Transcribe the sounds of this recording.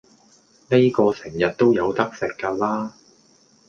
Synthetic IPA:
ne˥jkɔː˧sɪ˨˩ŋjɐ˨t̚t̪o˥wjɐ˨˧wt̪ɐ˥k̚sɪ˨kːaː˧laː˥

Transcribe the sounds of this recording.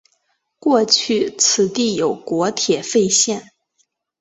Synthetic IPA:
kwɔ˥˧t͡ɕʰy˥˩t͡sʰɹ̩˨˩t̪i˥˩jo˨˩ʊkwɔ˧˥t̪ʰjɛ˨˩fe˥˧ɪɕjɛ˥˩n

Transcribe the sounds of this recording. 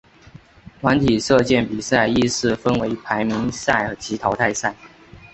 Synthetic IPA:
t̪ʰwa˧˥nt̪ʰi˨˩ʂɤ˥˧t͡ɕjɛ˥˩npi˨˩sa˥˧ɪi˥˧sɹ̩˥˩fə˥nwe˧˥ɪpʰa˧˥ɪmi˧˥ŋsa˥˩ɪə˧˥t͡ɕʰi˧˥t̪ʰɑ˧˥ʊt̪ʰa˥˧ɪsa˥˩ɪ

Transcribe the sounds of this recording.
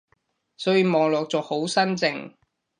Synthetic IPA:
sɔː˨˥jiː˨˧mɔː˨ŋlɔː˨k̚t͡sɔː˧ho˨˥wsɐ˥nt͡sɪ˨ŋ

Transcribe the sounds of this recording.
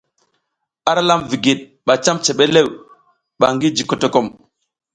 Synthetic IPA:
a˦ɾa˦la˦mvi˨ɡi˨ɗ̚ | ɓa˨t͡ʃa˦mt͡ʃe˨ɓe˦le˦˨w | ɓa˨ŋɡi˦d͡ʒi˨ko˨to˦ko˦˨m

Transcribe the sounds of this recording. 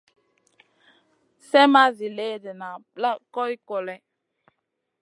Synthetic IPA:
sɛ˦ma˦zi˨le˦dɛ˨na˨la˦kɔ˦i˦kɔ˨lɛ˦

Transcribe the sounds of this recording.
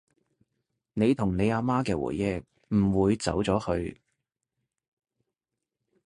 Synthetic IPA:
ne˨˧jt̪ʰʊ˨˩ŋne˨˧jaː˧maː˥kɛː˧wṵː˨˩jːɛ˥k̚ | m̩˨˩wuː˨˧jt͡sɐ̰˨˥wt͡sɔː˨˥hɵ˧ɥ

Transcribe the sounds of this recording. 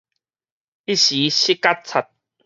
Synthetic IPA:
i˦ɕi˨˦ɕi˦ka˦t̚t͡sʰa˨˩t̪̚

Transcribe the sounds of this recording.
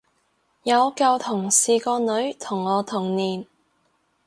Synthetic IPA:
jɐ˨˧wkɐ˧wt̪ʰʊ˨˩ŋsiː˨˧kɔː˧nɵ˨˧ɥt̪ʰʊ˨˩ŋːɔː˨˧t̪ʰʊ˨˩ŋniː˨˩n

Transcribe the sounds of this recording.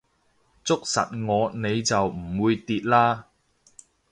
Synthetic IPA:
t͡sʊ˥k̚sɐ̰˨t̚ŋɔː˨˧ne˨˧jt͡sɐ˨wm̩˨˩wuː˨˧jt̪iː˨t̚laː˥

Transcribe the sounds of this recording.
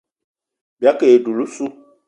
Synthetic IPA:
bi˨a˦ke˨e˨du˨lu˦su˦

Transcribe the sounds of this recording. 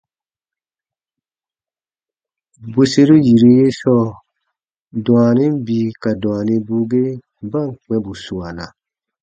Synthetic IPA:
bo˨se˦ɾu˦ji˨ɾi˦je˦sɔː˦ | dɔ̃˨a˨ni˦m˦biː˦ka˨dɔ̃˨a˨nĩ˧bu˦ɡe˦ | ba˦˨ŋk͡pɛ̃˧bu˨sũ˨a˨na˨

